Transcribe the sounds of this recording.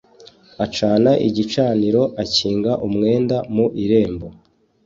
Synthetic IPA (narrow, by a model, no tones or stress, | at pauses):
at͡ʃaːnaʔiɟit͡ʃaːniɾo̞ʔaciːŋɡaʔumŋe̞ːndamuʔiɾe̞ːmbo̞